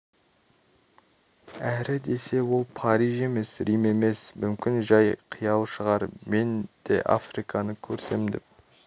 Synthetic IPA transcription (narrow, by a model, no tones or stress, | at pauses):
æɾɪd̪e̞se̞wo̞lˠpʰɑɾijʒe̞me̞sɾijme̞me̞smʏmkʲɪnʒɑjqʰijɑlˠʃəʁɑɾme̞nd̪̥e̞̰ʔa̰frijkʰɑnəkʲʰɵɾse̞md̪ɪ̰p̚